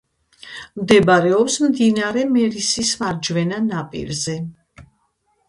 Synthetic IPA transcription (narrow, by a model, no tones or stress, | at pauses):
md̪ɛbaɾɛɔpsmd̪inaɾɛmɛɾisismaɾd͡ʒvɛnanapʼḭɾzɛ